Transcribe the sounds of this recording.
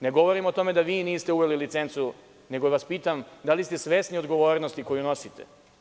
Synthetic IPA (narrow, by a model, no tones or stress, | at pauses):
ne̞ɡo̞ʋo̞ɾimot̪o̞me̞d̪aʋiːniːst̪euʋelilit̪se̞nt̪su | ne̞ɡoʋaspiːt̪amd̪alist̪e̞sʋe̞ːsnio̞d̪ɡo̞ʋo̞ːɾnost̪iko̞juno̞sit̪ʰḛ